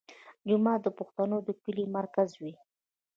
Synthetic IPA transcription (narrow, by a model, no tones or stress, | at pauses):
d͡ʒʊmɑd̪əpʊxt̪anod̪əkəlimaɾkazwi